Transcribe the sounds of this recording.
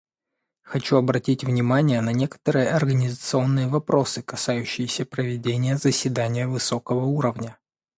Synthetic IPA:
xɐt͡ɕuɐbɾɐtʲitʲvnʲɪmanʲɪjənɐnʲe̞kə̥t̪əɾɨjəɐrɡənʲɪzət̪sɨo̞nːɨjəvɐpɾo̞sɨkɐsajʉɕːɪjɪsʲəpɾəvʲɪdʲenʲɪjəzəsʲvʲɪd̪anʲɪjəvɨso̞kəvəuɾəvnʲə

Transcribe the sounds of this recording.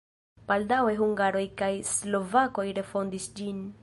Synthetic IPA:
b̥aldawe̞ɦuŋɡaɾo̞jkajslo̞vako̞jɾe̞fo̞ndisd͡ʒin

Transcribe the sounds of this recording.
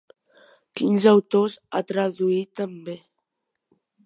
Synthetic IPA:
kinzəwt̪ozat̪ɾəðuit̪əmbe

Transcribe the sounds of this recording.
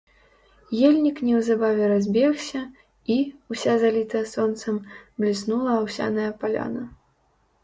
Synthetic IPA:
jelʲnʲiknʲɛwzabavʲɛɾazʲbʲɛxsʲɐ | iusʲazalʲit̪ɐjɐsɔnt̪sɐmblʲisnulˠɐːwsʲa̰nɐjɐpalʲa̰nɐ

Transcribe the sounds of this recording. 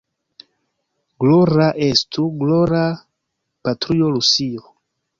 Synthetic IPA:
ɡloɾaʔestʰuɡloɾa | patɾiolusio

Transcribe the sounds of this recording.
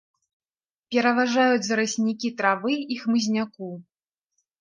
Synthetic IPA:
pʲɛɾɐvaʐajud͡zʲzɐɾɨsʲnʲikʲit̪ɾavɨixmɨzʲnʲaku

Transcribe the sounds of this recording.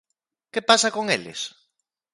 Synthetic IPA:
kepasakoŋḛlɪ̰s

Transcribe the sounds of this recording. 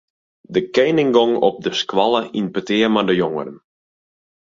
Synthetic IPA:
dəkejnɪŋɡɔŋɔ̰p̚dəskʋɑlˠəinpətɪərmadəjoŋəɾən

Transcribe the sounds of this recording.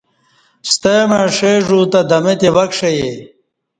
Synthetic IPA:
st̪emẽʂeːʐuːt̪ɐd̪ɐmet̪ewɐkʂeje

